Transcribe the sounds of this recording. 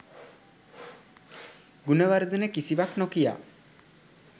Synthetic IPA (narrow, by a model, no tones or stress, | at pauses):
ɡunewaɾed̪inekisibaknokija̰